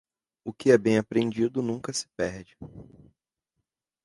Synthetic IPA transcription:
ʊkɪɛbẽj̃apɾẽnd͡ʒid̪ʊnũkɐsɪ̥pɛɾd͡ʒɪ

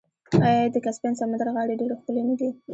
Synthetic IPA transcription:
ɑjɑd̪əkaspensamad̪aɾɣɑɽeɖeɾexpəlenəd̪i

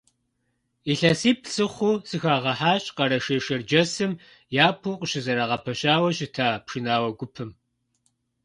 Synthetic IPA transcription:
iɬasiːp̚ʰsɨχʷusɨxaːʁɐħaːɕʼqɐɾɐʂeʂɐrd͡ʒɐsɨm | jaːpʰuqʷʊɕɪzɐɾɐʁɐpʰɐɕaːwɐɕɪtʰaːpʂɨnaːwɐɡʷʊpʰɨm

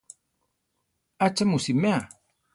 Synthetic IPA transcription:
at͡ʃamusimea

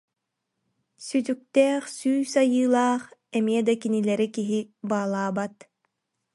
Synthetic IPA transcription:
syt̪yk̚t̪ɛːχsyːsajɯːlˠaːχɛmiɛd̪akinilɛɾikiɦibaːlˠaːbat̪

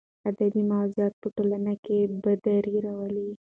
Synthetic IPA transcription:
ad̪abimawzjɑt̪̚pəʈolanakebəd̪aɾiɾawəli

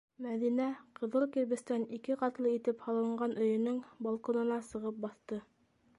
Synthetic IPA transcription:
mæðinæqɤ̆ðɤlˠkiɾβɘ̆st̪ænikɘqɑt̪lˠɤit̪ɘphɑlˠɤ̆ɴɢɑnʔɵ̆jɵ̆nɵŋbɑlˠkonɤ̆nɑsɤ̆ʁɤp̚bɑθt̪ɤ

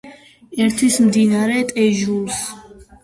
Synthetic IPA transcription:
ɛɾt̪ʰismd̪inaɾɛt̪ʼɛʒuls

